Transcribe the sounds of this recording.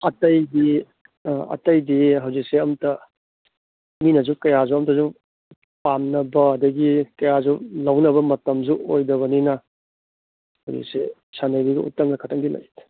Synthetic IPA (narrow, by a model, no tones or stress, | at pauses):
ɐtɐjdi | ɐ̰tɐjdiɦɐwzik̚seɐmtɐ | minɐzukɐjazuɐmtɐzu | pamnɐbɐːdɐɡikɐjazulɐwnɐbɐmɐtɐmzuojdɐβɐninɐ | hɐwzḭk̚se | sʰanɐjɾiɡɐ̰ṵtːɐŋnɐkʰatʰaŋdila̰jt